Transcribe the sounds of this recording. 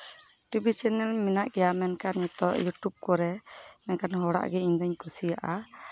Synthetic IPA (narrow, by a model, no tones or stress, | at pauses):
ʈibit͡ʃɛnɛlminaʔɡɛjamɛnkanjɔt̪ɔʔjuʈub̚kɔɾɛmɛnkanɦɔɽa̰ʔɡɛiɲd̪aɲkusijaʔa